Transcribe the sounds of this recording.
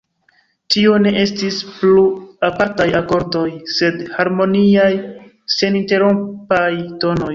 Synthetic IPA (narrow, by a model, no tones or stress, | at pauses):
tio̞ne̞ʔestispluapaɾtajako̞ɾdo̞jse̞dhaɾmo̞niaj | se̞ninte̞ɾompajto̞no̞j